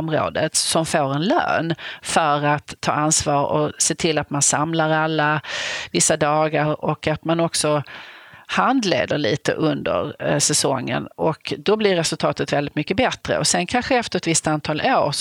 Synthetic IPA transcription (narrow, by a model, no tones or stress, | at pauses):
mɾo̰ːd̪ət̪sɔmfoːɾɛnlø̰ːnfœɾat̪ʰːɑ̰ːansvɑːɾɔ̰seːt̪ʰɪlːat̪mansamlaɾalːavɪsːad̪ɑːɡaɾɔkat̪manɔksɔ | hand̪lḛːd̪əɾɭiːt̪ə̰ʔɵnd̪ə̰ɾsɛsɔŋːə̰nɔkd̪ɔblɪɾɛsɵlt̪ʰɑːt̪ət̪vɛld̪ɪt̪mʏkːəbɛt̪ɾə̰ɔsɛnkʰanɧəɛft̪əɾɛt̪vɪst̪ant̪ʰɑːlʔoːɾ